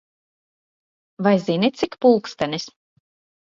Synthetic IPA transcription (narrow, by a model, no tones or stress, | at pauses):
vajzinʲit̪sʲikpulˠkst̪anʲis